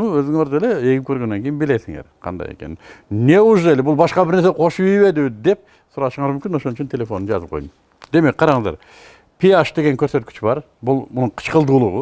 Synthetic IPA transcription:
nuɵzd̪ɪŋoɾd̪eleekʲɪpkʲʰøɾɡʲe̞nːeŋkʲʰejinbɪlesɪŋeɾqʰɑ̰nd̪ɑ̰jḛkʲʰe̞nɪnne̞ʊʒd̪elebʊlˠbɑʃqɑbɪɾneseqʰo̞ʃəʏjbe̞d̪ɪd̪e̞p̚ | sʊɾɑʃəɴɑɾmʏmkʲɪno̞ʃo̞nəʃɪnt̪ʰe̞le̞fo̞nənʒɑ̰zəp̚qʰojd̪əm | d̪e̞mekʲqʰɑɾɑɴəzd̪ɑ̰ɾ | pʰeaʃd̪e̞ɡʲe̞ŋkʲʰɵɾse̞t̪kʲʰɪ̥t͡ʃɪbɑɾ | bʊlˠmʊnəɴqʰə̥t͡ʃqəlˠd̪ulˠəʁə

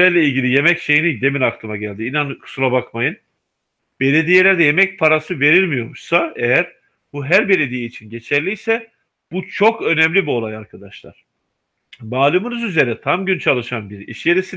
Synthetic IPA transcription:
æɾlʲeilʲɟilʲije̞mɛcʃe̞jinid̪e̞minaklˠɯmaɟælʲd̪iːnankʰɯ̥suɾˠabakmajɯn | b̥e̞lʲe̞d̪ije̞lʲæɾd̪ɛje̞mɛc̚pʰaɾasɯve̞ɾilʲmijo̞ɾmuʃsaejæɾ | buɦæɾbe̞lʲe̞d̪ijeit͡ʃʰinɟe̞t͡ʃʰælʲijsɛ | b̥ut͡ʃʰo̞kø̞nɛmlʲibio̞lˠajaɾkʰad̪aʃlˠa̰ɾ̥ | maːlˠɯmɯnɯzyze̞ɾɛt̪ʰamɟynt͡ʃʰalˠɯʃanbiɾḭʃjeɾesi

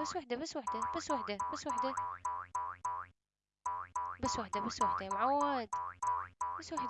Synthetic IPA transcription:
baswaħd̪abasːwaħd̪abasːwaħd̪abasːwaħd̪a | basːwaħd̪abasːwaħd̪amʕawːad̪ | basːwaħd̪

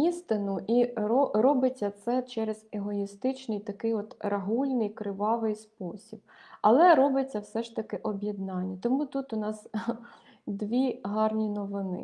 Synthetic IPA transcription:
ist̪ɪnʊʔiɔrɔbɪt͡sʲːɐt̪sɛt͡ʃɛɾez̥eɦɔjist̪ɪt͡ʃnɪjt̪ɐkɪjɔt̪rɐɦulʲnɪjkɾɪʋɑʋɪjspɔsʲib̥̚ | ɐlˠɛɾɔbɪt͡sʲːɐwsɛʃt̪ɐkɪʔɔbʲjɛd̪nɑnʲːɐt̪ɔmut̪ut̪ʊnɑs | d̪ʋʲiɦɑrnʲinɔʋɪnɪ̰

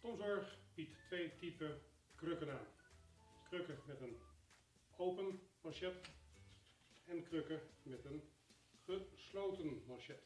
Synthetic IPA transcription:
kɔmzɔɹχb̥itːʋejtipə | krøkənaːn | krøkəmɛtən | owpənmɑʃɛt | ɛnkrøkəmɛtən | χəslowtənmɑʃɛt

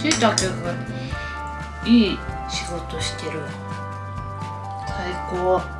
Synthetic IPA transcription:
sit̪akeɡa | iː | ɕiɡo̞t̪oɕi̥t̪eɾɯ | saikoː

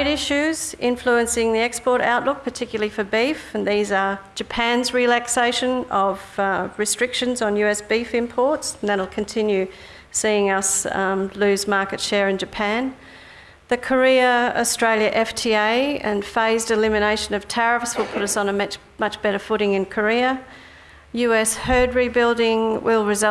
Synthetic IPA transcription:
ɾɪʃʉzɪ̃ɱfluɨ̃nsɪ̃ŋðiɛkspɔɹɾa̰ʊʔˡlʊk̚pʰə˞tʰɪkjl̩ˠəlˠifə˞bifɨ̃nðizə˞d͡ʒɨpʰæ̃nzɹilækseɪʃɨ̃nʌv̥ɹɨstɹ̥ɪkʃɨ̃nzn̩jʉɛsb̥ifɪ̃mpʰɔɹtsn̩ðɨɾl̩ˠkʰɨ̃n̩tʰɪ̃njʉ | siɪ̃ŋʌslʉzmɑɹkɨtʃɛɹɨ̃nd͡ʒɨpʰæ̃n | ðɨkʰə˞iɨəstɹ̥eɪlˠjɨʔɛftʰieɪɨ̰̃nfeɪzdɨlɪ̃mɨneɪʃɨ̃nʌv̥tʰɛɹɨfswəlˠpʰʊɾʌsn̩əm | mʌt͡ʃb̥ɛɾə˞fʊɾɪ̃ŋɨ̃nkʰə˞iɨ | jʉɛshɜ˞d̚ɹibɪlˠdɪ̃ŋwɪlˠɹɨzʌ

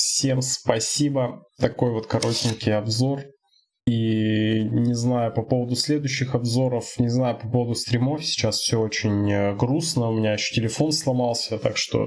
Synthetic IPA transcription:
fsʲe̞mspɐsʲibət̪ɐko̞jvo̞t̪kɐɾo̞tʲɪnʲkʲɪjɐbzo̞r | i | nʲɪznajʊpɐpo̞vəd̪ʊsʲlʲe̞d̪ʊɕːɪxɐbzo̞ɾəfnʲɪznajʊpɐpo̞vəd̪ʊst̪ɾʲɪmo̞fʲsʲɪ̥t͡ɕasfsʲoot͡ɕɪnʲəɡɾusnəʊmʲɪnʲaɪɕːo̥tʲɪlʲɪfo̞nslˠɐmɑlˠsʲət̪a̰kʂt̪o̞̰

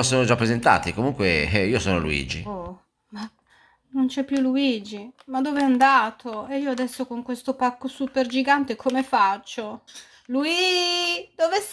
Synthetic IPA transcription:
soːnod͡ʒapːɾezent̪a̰ːt̪ikomuŋkweiːosoːnolṵḭːd͡ʒḭo | ma | nont͡ʃɛpːjuluid͡ʒimad̪ːoːveɛand̪aːt̪ʰoeiːoad̪ɛsːokoŋkwest̪opakːosuperd͡ʒiɡant̪ekʰomefat͡ʃːo | luid͡ʒd̪oves

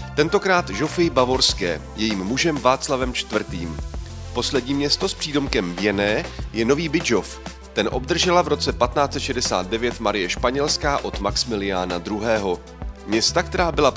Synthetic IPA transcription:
t̪ɛnt̪o̞kɾaːt̪ʒo̞fɪjbavo̞ɾskɛ̰ː | jɛjiːmːuʒɛmvaːt͡slavɛmt͡ʃt̪vr̩t̪iːm | po̞slɛdɲiːmɲɛst̪o̞spr̥iːdo̞mkɛmvjɛnɛːjɛno̞viːbɪʒo̞f | t̪ɛnʔo̞bd̪r̩ʒɛlavɾo̞t͡sɛpat̪naːt͡sɛt̪ʃɛdɛsa̰ːd̪̚dɛvjɛt̪maɾɪjɛʃpaɲɛlskaːʔo̞t̪maksmɪlɪaːnad̪ɾuɦɛːɦo̞ | mɲɛst̪ak̚t̪ɛɾaːbɪla

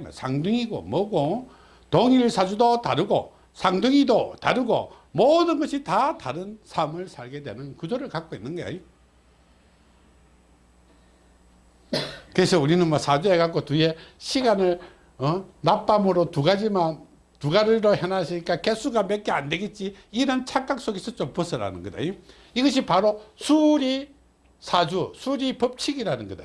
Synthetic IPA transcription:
ma̰nsʰaŋdɯŋiɡo̰mʌɡo | toŋiɾɯɭsʰad͡ʑudota̰ɾɯɡo̰ | sʰaŋdɯŋidota̰ɾɯɡo̰ | modɯnɡʌɕʰitataɾɯnsʰamɯɭsʰaɭɡe̞dwe̞̰nɯnkud͡ʑoɾɯɭkak͈oinːɯnɡʌjo̰jo | kɯɾe̞sʰʌuɾinɯnmʌsʰad͡ʑueɡak͈otue̞ɕʰiɡanɯɭ | ʌnap͈amɯɾotuɡad͡ʑiman | tuɡaɾɯɾohanaɕʰiɲik͈akesʰuɡamek̚k͈eande̞ɡit̚t͡ɕ͈iiɾʌnt͡ɕʰak͈ak̚s͈oɡesʰʌt͡ɕ͈ompɯsʰɯɾa̰nɯnɡʌda̰ɲo | iɡʌɕ̬ʰipaɾosʰuɾi | sʰad͡ʑusʰuɾipʌp̚t͡ɕʰiɡiɾanɯnɡʌda̰

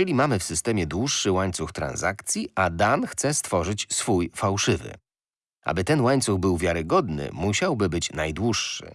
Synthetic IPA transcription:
ɛlʲimamɘfsɘst̪ɛmʲjɛd̪wuʂːɘwaɲt̪suxt̪ɾa̰nza̰kt̪sʲjiad̪anxt̪sɛst̪fɔʐɘt͡ɕsfujfawʂɘvɘ̰ | ʔa̰bɘt̪ɛnwaɲt̪suɣbɘwvʲjaɾɘɡɔd̪nɘ̰muɕawbɘbɘt͡ɕnajd̪wuʂːɘ̰

